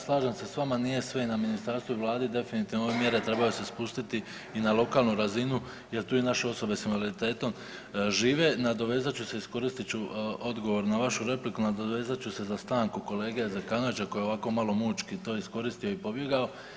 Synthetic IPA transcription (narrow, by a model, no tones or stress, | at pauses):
slˠaːʒemse̞sʋamanije̞sʋe̞inaminist̪aɾst̪ʋoiʋlˠaːd̪id̪e̞finit̪iʋnoʋemje̞ɾet̪ɾe̞bajose̞spust̪it̪i | inalˠo̞kaːlˠnuɾazinu | je̞ɾt̪uːinaʃe̞o̞so̞be̞sinʋalit̪e̞ːt̪o̞m | ʒiːʋe̞nad̪o̞ʋe̞ːzat͡ɕuse̞isko̞ɾist̪it͡ɕuo̞d̪ɡo̞ʋo̞ɾnaʋaʃuɾe̞plikunad̪oʋe̞ːzat͡ɕuse̞zast̪aːŋkuko̞le̞ːɡeezakanoʋit͡ɕako̞jeo̞ʋako̞malo̞muːt͡ʃkit̪o̞ːisko̞ɾist̪io̞ipo̞bje̞ɡao̞